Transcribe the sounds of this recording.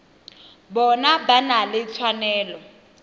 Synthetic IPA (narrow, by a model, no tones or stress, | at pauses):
bɔnabanalɪt͡sʰwanɛːlɔ